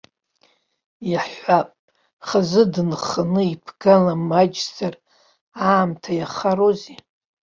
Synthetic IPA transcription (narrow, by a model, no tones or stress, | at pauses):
jaħʷapʼ | χazɨdnχanɨipʰɡ̥alamad͡ʒzar | aːmtʰajaχaɾoze